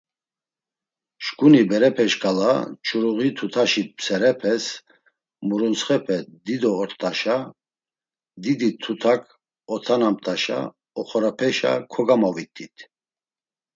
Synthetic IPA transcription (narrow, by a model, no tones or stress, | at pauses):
ʃkunibɛɾɛpʰɛʃɡʼala̰t͡ʃʰʼuɾuɣit̪ʰut̪ʰaʃipsɛɾɛpʰɛs | muɾunsχɛpʰɛd̪id̪ɔːɾt̪ʼaʃa | d̪id̪it̪ʰut̪ʰakʰ | ɔt̪ʰanamt̪ʼaʃa̰ | ɔχɔɾapʰɛʃa̰kʰɔɡamavit̪ʰʼːit̪ʰ